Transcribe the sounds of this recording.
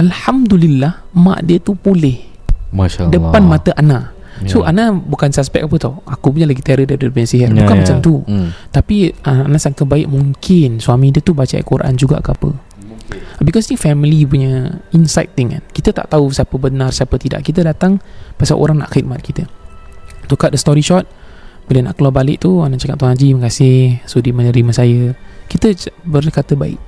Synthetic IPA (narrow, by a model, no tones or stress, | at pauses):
alhamd̪ulilːah | ma̰ʔdiət̪upolɪh | maʃadəpanmãt̪əʔanaʔ | soʔanabukansaspɛk̚apət̪ɔhʔakup̬uɲalaɡit̪eaɾədadəəpaɲasiɦarbukannmat͡ʃamt̪ut̪apianʔanaʔsaŋkabaɪʔmuŋkʰɪnsuamĩdiət̪ubat͡ʃa̰kuɾaʔa̰nd͡ʒuɡa̰ʔkəapə | bikɔsnifɛmilipuɲəinsajt̪̚dəŋka̰nkit̪ət̪a̰ʔt̪ausapəbənarsiapət̪ida̰ʔkit̪ədat̪aŋpasa̰ʔo̰ɾaŋna̰ʔxit̪̚mat̪̚kit̪ə | t̪ukat̪̚dəst̪ɔɾiʃɔt̪̚b̥uləna̰ʔkəlabalɪʔt̪uanaʔt͡ʃakat̪̚t̪unad͡ʒiməkasɪhsodimə̃nəɾiməsajəkit̪əbərkat̪əbaɪ̰ʔ̚